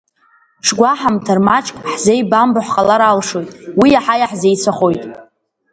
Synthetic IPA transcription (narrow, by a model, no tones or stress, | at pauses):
ʂɡʷaħamtʰarmat͡ʃʼkʼħzejbambaħqʼalaɾalʂo̞jtʼwiaħajaħzejt͡sʷʰaχo̞jtʼ